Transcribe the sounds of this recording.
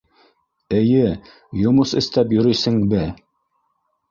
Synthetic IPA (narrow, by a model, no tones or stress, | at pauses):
ɘ̆jɘ | jŏmosɘ̆st̪æp̬jɵ̆ɾɵjsɘ̆ŋbɘ